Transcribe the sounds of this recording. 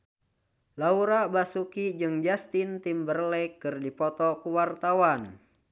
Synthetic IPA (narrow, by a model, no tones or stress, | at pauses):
lauɾabasukid͡ʒɨŋd͡ʒast̪int̪imbərlɛkːɨrdipɔt̪ɔkuwart̪awan